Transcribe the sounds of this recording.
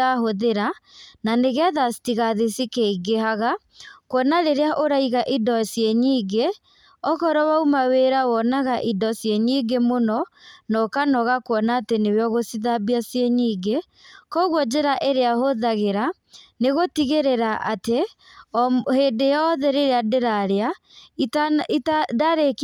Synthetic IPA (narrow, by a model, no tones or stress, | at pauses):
aɦoðeɾananeɣɛðasitiɣaðesikeiɡeɦaɣa | kwɔnaɾeɾeaʔoɾaiɣaʔidɔsjeɲiːɡe | ɔɣɔɾɔwaumaweɾawɔnaɣaʔidɔsjeɲiɡemonɔnɔkanɔɣakwɔnaːteneweɔɣosiðabiasjeɲiːɡe | kɔɣwɔd͡ʒeɾaʔeɾeaɦoðaɣeɾa | neɣotiɣeɾeɾaʔate | heːdejɔðɛɾeɾeadeɾaɾea | ititadaɾek